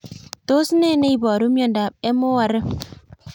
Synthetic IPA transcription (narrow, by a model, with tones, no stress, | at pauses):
to˦sne˦ne˦i˨bɔ˨ɾu˦mjɔ˨nda˨b̚e˦mo˦wa˨ɾə˦